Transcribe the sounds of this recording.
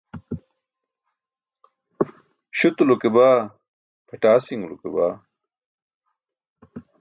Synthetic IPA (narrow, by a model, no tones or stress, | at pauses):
ɕut̪lukebaː | pɐʈaːsiŋlukebaː